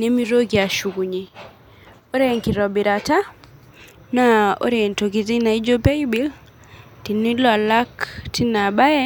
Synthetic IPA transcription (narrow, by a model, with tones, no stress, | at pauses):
ne˦mi˦ɾo˦ɡi˨a˨ʃu˨ɡu˨ɲe˨ | o˦ɾe˦ŋki˨ɾɔ˨bi˨ɾa˨ta˦ | nao̰˦ɾe˨nto˨ɡi˨zi˦na˨i˦d͡ʒo˦be˦jbi˦l | ti˨ni˦la˨la˦ktʰi˦na˨ba˦jɛ˦